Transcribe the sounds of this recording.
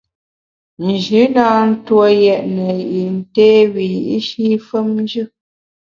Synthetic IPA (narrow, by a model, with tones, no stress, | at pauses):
n̩˨d͡ʒʉ˨˦na˦n̩˦twɔ˦jɛ˨ʔnə˨jʔi˨n̩˨tɛː˦wi˨jʔi˦ʃi˦fə˦mn˦d͡ʒɨ˦